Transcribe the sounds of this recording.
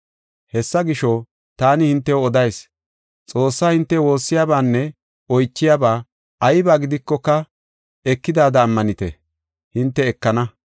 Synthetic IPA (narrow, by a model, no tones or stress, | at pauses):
hɛsːɐɡɪʃɔ | t̪aːnɪhɪnt̪ːɛwɔd̪ɐjs | t͡sʼo̞ːsːaːhɪnt̪ːɛwo̞ːsːɪjaːbaːnːɛ | ɔjt͡ʃːɪjaːbaː | ɐjbaːɡɪd̪ɪkːɔkːɐ | ɛkːɪd̪aːd̪ɐːmːɐnɪt̪ɛ̰ | hɪnt̪ːɛːkːɐnɐ